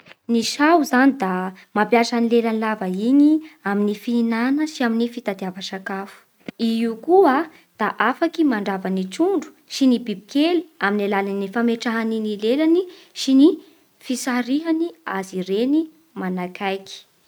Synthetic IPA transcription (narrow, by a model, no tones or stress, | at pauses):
niʃawzanid̪a | mapjasanilelanilavaiɲiaminifiinanəsiaminifit̪ad̪iavasakafu̥ | iiukua | d̪̥aʔafakimaɳɖ͡ʐavaniʈ͡ʂuɳɖ͡ʐu̥ | sinibibi̥keli̥aminalalanifameʈ͡ʂaɦaninilelani | sini | fisaɾiɦaniaziɾeni | manakajki̥